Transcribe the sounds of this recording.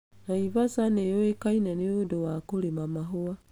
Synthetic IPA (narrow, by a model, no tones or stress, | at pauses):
naivasanejoekainɛneodowakoɾemamaɦoa